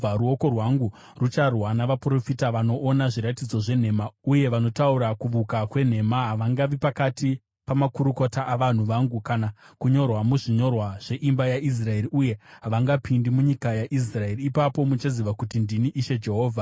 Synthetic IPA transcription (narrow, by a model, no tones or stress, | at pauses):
aɾuo̞ko̞rwaŋɡu | rut͡ʃarwanaʋapro̞fitaʋano̞ʔːnaʐiɾatid͡zo̞ʐe̞n̤e̞mauje̞ʋano̞tauɾakuʋukakwe̞n̤e̞maɦaʋaŋɡaʋipakati | pamakuɾuko̞taʔaʋan̤uʋaŋɡukanakuɲo̞rwamuʐiɲo̞rwaʐ̥e̞ʔimbajaʔis̬rae̞ɾiuje̞ɦaʋaŋɡapʰindimuɲikajaʔis̬rae̞riːpapo̞mut͡ʃaziʋakutindiniʔiʃe̞d͡ʒe̞ɦo̞ːvʱa